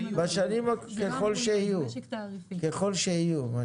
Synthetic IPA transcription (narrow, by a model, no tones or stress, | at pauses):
baʃanimakeχo̞lʃehiju | keχo̞lʃehijuma